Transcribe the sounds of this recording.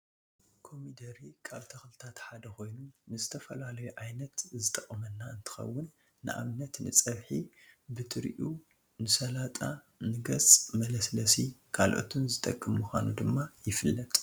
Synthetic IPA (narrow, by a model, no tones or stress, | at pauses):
kʰo̞mid̪ɐɾikʰaβt̪ʰɐxlɨt̪ʰat̪ħad̪ɐko̞jnunɨzɨt̪ʰɐfɐlalɐjuʔajnɐt̪zɨt̪ʼɐkʼːɐmɐnːaɨnt̪ʰɨ̥xɐ̰wːʊnː | ɨʔa̰βnɐt̪nɨ̰t͡sʼɐβħibɨt̪ʰɨɾʔu | nɨsɐlat̪ʼa | nɨɡɐsmɐlɐslɐsikʰalʔo̞̰t̪ʰunzɨt̪ʼɐkʼːɨmːuxʷa̰nud̪ɨmːajɪfɨlːɐt̪ʼ